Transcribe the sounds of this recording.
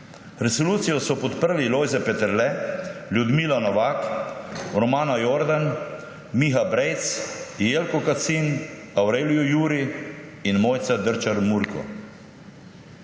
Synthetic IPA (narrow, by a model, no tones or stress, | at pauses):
ɾɛsɔluːt̪sijɔsɔpɔt̪pəɾliloːjzɛpɛt̪əɾlɛljud̪miːlanɔʋaːk | ɾɔmaːnajoɾd̪an | mixabɾejt̪sjelkɔkat̪sin | awɾeːlijɔjuːɾi | inmoːjt̪sad̪əɾt͡ʃaɾmuɾkɔ̰